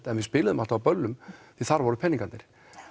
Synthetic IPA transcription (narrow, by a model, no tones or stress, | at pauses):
t̪ɛnvɪspɪːlɪðʏmal̥t̪aapœlːʏmfɪðθaɾvɔɾʏpʰɛniŋkant̪ɪɾ̥